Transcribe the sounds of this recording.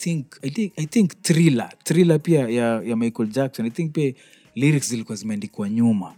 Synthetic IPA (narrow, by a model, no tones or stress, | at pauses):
θiŋkajiajθiŋktɾila̰tɾilapiajajamajkɔld͡ʒak̚sɔ̃najθĩŋk̚pia | liɾikszilikuazimɛandikuwaɲuma